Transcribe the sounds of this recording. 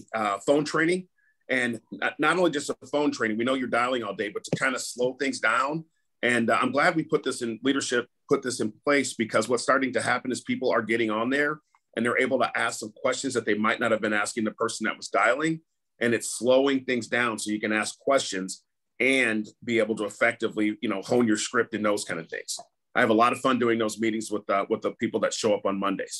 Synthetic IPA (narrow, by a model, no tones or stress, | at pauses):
ʌfõʊ̃ntʰɹ̥ẽɪ̃nɪ̃ŋ | ʔɨ̃nʌːəɾõʊ̃nlid͡ʒʌstʌðəfõʊ̃ntʰɹ̥eɪ̃nɪ̃ŋwinoʊjə˞daɪlˠɪ̃ŋɔlˠdeɪbʌtʰə̥kʰãɪ̃ndəsloʊθɪ̃ŋzdãʊ̃n | ʔɨ̃nã̰ɪ̃mɡlæd̚wipʰʊt̪̚ðɪsɨ̃nliɾə˞ʃɪpʰʊt̪̚ðɪsɨ̃npʰl̥eɪsb̥ɨkʰʌzwʌtstɑɹɾɪ̃ŋtɨhæpɨ̃nɨz̥pʰipl̩ˠə˞ɡɛɾɪ̃ŋə̃nðə˞ | ʔɨ̃nðə˞ʔeɪbl̩ˠtʰəʔæsksʌ̃mkʰw̥ɛst͡ʃɨ̃nzðɨt̪̚ðeɪmaɪʔⁿnɨt̚hɨvbɨ̃næskɪ̃ŋðɨpʰɜ˞sn̩ðɨ̰t̚wʌzdaɪlˠɪ̃ŋ | ʔɨ̃nɨtsloʊɪ̃ŋθɪ̃ŋzdãʊ̃nsoʊjɨkɨ̃næskʰːw̥ɛst͡ʃɨ̃nz | ɨ̃nbieɪbl̩ˠtəːfɛk̚tɨvlijɨnoʊhõʊ̃njə˞skɹɪp̚tɨ̃nðoʊz̥kʰãɪ̃ndʌv̥θɪ̰̃ŋz̥ | ʔaɪɨvəlɔɾʌv̥fʌ̃ndʉɪ̃ŋðoʊzmiɾɪ̃ŋzwəðəwəðəpipl̩ˠðɨtʃoʊʌpn̩mʌ̃ndḛɪz̥